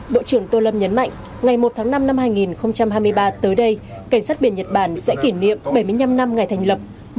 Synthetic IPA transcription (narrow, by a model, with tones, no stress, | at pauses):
ɓo̰˧˨t͡ɕɨ˧˩əŋt̪o˧lə˧mɲə˨˦nma̰˧˨jŋ̟ | ŋa˨˩jmo˨˩t̚t̪ʰaː˨˦ŋna˧mna˧mhaː˧jŋi˨˩nxə˧wŋ͡mt͡ɕa˧mhaː˧jmɨ˧əjɓaː˧t̪əː˨˦jɗə˧j | ka˧˩ŋ̟saː˦˥t̚ɓi˧˩ənɲə˨˩t̚ɓaː˧˩nsɛ̰˧˥ki˧˩nḭ˧˨əmɓə˧˩jmɨ˧əjɲa˧mna˧mŋa˨˩jt̪ʰjŋ̟lə˨˩p̚